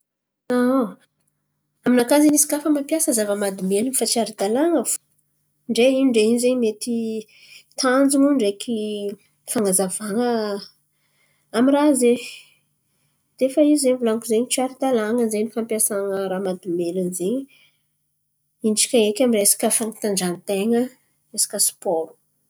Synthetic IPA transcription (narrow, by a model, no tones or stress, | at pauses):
a | aminakazinisi̥kafəmampjasəzavəmad̪imelənfat͡ʃiaɾid̪alaŋəf | ɳɖ͡ʐeiɳɖ͡ʐeinzeɲmet̪i | t̪ʰand͡zunuɳɖ͡ʐekʰi | faŋəzavaŋə | amiraze | d̪̥efəizeɲvulaŋkuzeɲit͡siaɾid̪alaŋəzeɲifampiasaŋəɾamad̪imelənzeɲ | inʈ͡ʂi̥kʲaekʲamiresḁkəfaŋat̪aɳɖ͡ʐanit̪eŋə | esḁkʲəsi̥pɔɾu̥